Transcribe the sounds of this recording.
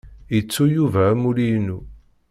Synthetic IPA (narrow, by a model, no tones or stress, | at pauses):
jət͡sːujuvæːmuɾinu